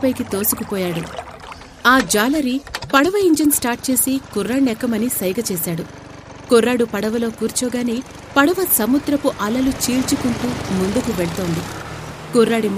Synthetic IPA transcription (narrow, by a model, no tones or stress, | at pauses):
pɐjkit̪o̞ːsukupɔːjaːɽu | aːd͡ʒaːlɐɾipɐɽɐʋɐiɲd͡ʒɐnsʈaːɾʈ̚t͡ʃe̞ːsikuɾːaːɳɛkːɐmɐnisɐjɡɐt͡ʃeːsaːɽu | kuɾːaːɽupɐɽɐʋɐlo̞ːkuːɾt͡ʃɔːɡaːne | pɐɽɐʋɐsɐmud̪ɾɐpuʔɐlɐlut͡ʃiːlt͡ʃukuɳʈuːmuɳd̪ukuʋeɭɐt̪oːnd̪i | kuɾːaːɽim